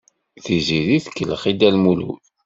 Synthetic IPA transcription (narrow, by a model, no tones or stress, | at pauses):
θiziðiθkːələχid̪ælmulṵ